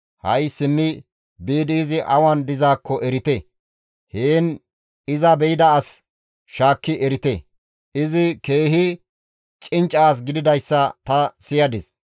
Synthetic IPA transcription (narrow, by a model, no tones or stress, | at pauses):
hɐjsɪmːɪ | biːd̪iːzɪʔɐwɐnd̪ɪzaːkːɔʔɛɾɪt̪e | heːn | ɪzɐbɛjɪd̪ɐːs | ʃaːkːɪʔɛɾɪt̪e | ʔɪzɪke̞ːɦɪ | t͡ʃʼɪnt͡ʃʼːaːs̬ɡɪd̪ɪd̪ɐjsːɐt̪ɐsɪjɐd̪ɪs